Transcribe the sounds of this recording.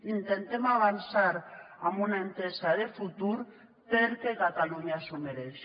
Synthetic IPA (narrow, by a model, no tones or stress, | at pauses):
int̪ent̪emaβansaɾ | amunaent̪esaðefut̪uɾ | peɾkekat̪aluɲasumeɾes